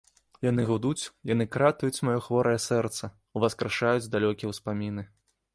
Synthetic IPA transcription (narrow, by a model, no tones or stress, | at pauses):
jan̪ɨɣud̪ut͡sʲjanɨkɾat̪ujut͡sʲmajɔxvɔɾʔɐjɛsɛrt̪sɐ | uvaskɾaʂajud͡zʲd̪alʲɔkʲijɛwspamʲinɨ